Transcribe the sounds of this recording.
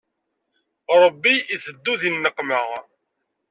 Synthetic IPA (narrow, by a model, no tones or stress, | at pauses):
ɾˤəbːiiθəd̪ːuðinːəqːməʁ